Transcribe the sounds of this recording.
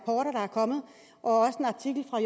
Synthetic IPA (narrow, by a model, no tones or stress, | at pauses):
pʰɒːɾɐɾ̥ɑ̈æɐkʰɒ̽mð̩ˠ | ʔɒ̽ɒ̽səe̝nɑ̈t͡sʰiɡ̥l̩fʁɑ̈j